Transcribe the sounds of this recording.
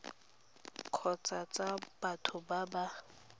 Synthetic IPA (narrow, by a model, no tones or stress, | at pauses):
kʰɔt͡sʼat͡sʼab̥atʰʊbaba